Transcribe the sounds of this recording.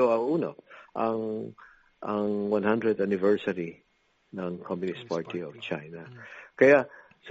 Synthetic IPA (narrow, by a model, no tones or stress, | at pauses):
oɐuːno̰ʔɐŋ | ʔɐŋwãnhãnd̪ɾɹɛd̪anɪvɛɹsɐɾi | nɐŋkʰɔmjʊnɪst̪paɹt̪iɔv̥t͡ʃajnɐkɐja | s